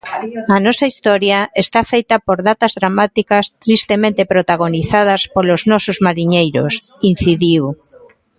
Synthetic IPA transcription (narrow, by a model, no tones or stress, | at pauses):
ɐnɔsɐist̪ɔɾjaest̪afejt̪apoɾðat̪ɐzðɾamat̪ikast̪ɾist̪emẽnt̪epɾot̪aɣoniθað̞ɐspoloznɔsozmaɾiɲejɾosin̟θiðiw